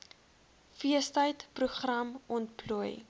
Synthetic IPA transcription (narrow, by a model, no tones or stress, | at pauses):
fiəstəjtpruχrɐmɔntpluəj